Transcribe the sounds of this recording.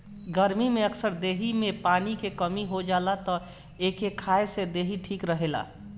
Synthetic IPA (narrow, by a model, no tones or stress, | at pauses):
ɡəɾmimeəksəɾd̪eɦimẽpaːnikekəmiɦod͡ʒalat̪ɔ | ekekʰaesed̪eɦiʈʰiːkɾəɦela̰